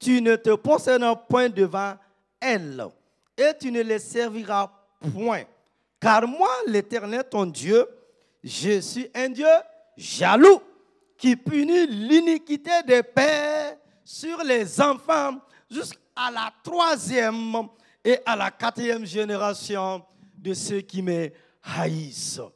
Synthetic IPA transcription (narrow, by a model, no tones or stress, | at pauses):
t̪ynət̪əpɔsɛd̪apwɛ̃d̪əvɑ̃ | ɛl | et̪ynəlesɛʁviʁa | pwɛ̃ | kaʁmwalet̪ɛʁnɛlt̪ɔ̃d̪jø | ʒəsiʔɛ̃d̪jø | ʒalu | kipynilynikʲit̪ed̪epɛ | syʁlezɑ̃fɑ̃ | ʒysk | alat̪χwazjɛm | eʔalakat̪χijɛmʒeneʁasjɔ̃ | d̪əsøkimə | hais